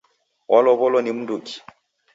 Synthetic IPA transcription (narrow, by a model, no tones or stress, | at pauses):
wʔɔlɔβɔlɔnim̩duki̥